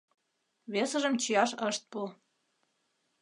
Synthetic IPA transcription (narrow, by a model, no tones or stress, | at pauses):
βesəʒəmt͡ɕijɑʃəʃt̪̚pu